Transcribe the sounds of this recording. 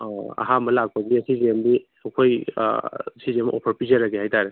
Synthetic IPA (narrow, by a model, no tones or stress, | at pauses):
a̰ɦamɐlak̚paɡiɐsizemdi | ɐkʰoj̰ | sizemʔɔ̰pʰɐɾpizaɾaɡiɦajtaɾe